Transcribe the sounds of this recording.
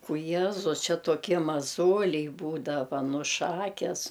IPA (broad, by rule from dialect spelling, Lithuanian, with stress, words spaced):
ʊ ˈjiɛzʊs ˈt͡ʃʲɛ toːˈkʲiɛ mɐˈzoːlʲɛɪ ˈbuːdɐʋɐ ˈnʊ ˈʃɑːkʲɛs